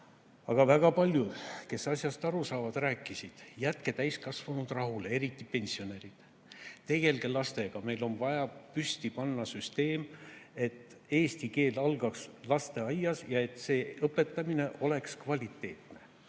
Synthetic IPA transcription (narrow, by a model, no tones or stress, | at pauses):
ɑɡ̥ɑvæɡ̥ɑpɑlʲjud̪̥ke̞sɑsʲjɑst̪ɑɾusɑːvɑd̪ræːkːˑisid̪̥jæt̪ke̞t̪æjskɑsvɑnud̪̥rɑɦulee̞ɾit̪ːˑipe̞nʲsio̞ne̞ɾid̪̥ | t̪e̞ɡ̥e̞lɡe̞lɑst̪e̞ɡ̥ɑme̞jlo̞nvɑjɑpyst̪ipɑnːɑsyst̪e̞ːme̞t̪ː | e̞ːst̪ike̞ːlɑlɡ̥ɑkslɑst̪e̞ɑjːɑsjɑe̞t̪ːˑse̞ːɤpːˑe̞t̪ːˑɑmine̞ʔo̞le̞kskvɑlʲit̪ːˑe̞̰ːt̪ne̞